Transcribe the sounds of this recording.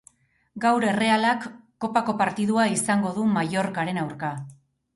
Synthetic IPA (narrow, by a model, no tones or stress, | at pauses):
ɡawɾe̞re̞alakː | o̞pako̞paɾt̪iðuaisaŋɡo̞ðumajo̞ɾkaɾe̞nawɾka